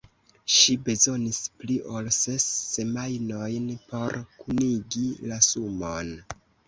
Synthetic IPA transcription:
ʃibe̞zo̞nispliʔo̞lsesːe̞majno̞jnpo̞ɾkuniɡilasumon

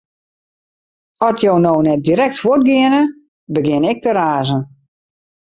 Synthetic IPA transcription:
ɔtjoːnoːnɛt̚diɾɛk̚tfʊt̚ɡɪənə | bəɡɪnɛk̚təɾaːzən

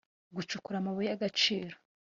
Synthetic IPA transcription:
ɡut͡ʃukuɾamuβujaɡat͡ʃiːɾo

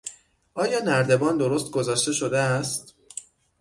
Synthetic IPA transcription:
ʔɒːjɒːnæɾd̪e̞bɒːnd̪o̞ɾost̪̚ɡozɒːʃt̪e̞ʃo̞d̪eæst̪

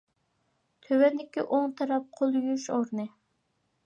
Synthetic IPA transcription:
t̪ʰøwɛnd̪ɪkʲːiʔoŋt̪ʰɑɾɑp̚qʰolˠjuʃoɾnɨ

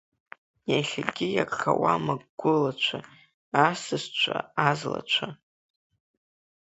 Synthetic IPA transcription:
jaχʲaɡʲɪjakʼχawamaɡɡ̥ʷʊlat͡ʃʷʰa | asɨst͡ʃʷʰaazla̰t͡ʃʷʰa

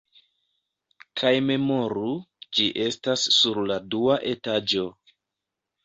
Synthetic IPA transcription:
kʰajme̞mo̞ɾud͡ʒiʔe̞stasːuɾladuaʔe̞tad͡ʒo̞

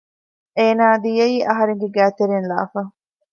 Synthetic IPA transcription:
eːnaːd̪ijɐiːʔɐɦɐɾeŋɡeɡæːt̪eɾenla̰ːfɐ

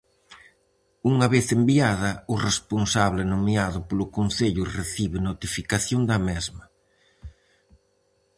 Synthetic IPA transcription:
uŋɐβeθembiaðɐʊresponsaβlɪnomiaðʊpolʊkonθeʎʊreθiβɪnot̪ifikaθjond̪ɐmɛzmɐ

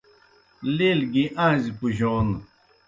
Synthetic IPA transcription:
leːlɡiʔãːzipuʑoːn

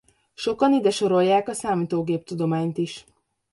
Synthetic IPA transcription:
ʃo̞kɒnid̪ɛʃo̞ɾo̞jːaːkɒsaːmiːt̪oːɡeːp̚t̪ud̪o̞maːɲt̪iʃ

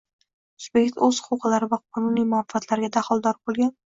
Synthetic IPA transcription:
ʊz̥be̞kʲt̪ɵz̥hʊqʊwqɨlaɾɪvaqʰɒnʊnijmʊafat̪ʰlaɾɡʲad̪ahɒlˠd̪ɒɾbolˠɡʲan

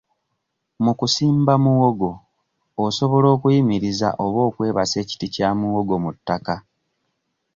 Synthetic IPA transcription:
mukusiːmbamuwo̞ɡo̞ː | so̞βo̞lo̞ːkujimiɾiza̰ʔoβo̞ːkwe̞ːβase̞ːci̥ticaːmuwo̞ɡo̞mutːaka

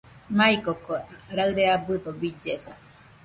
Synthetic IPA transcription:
maikokoɾaɨɾeabɯd̪obid͡ʒesa

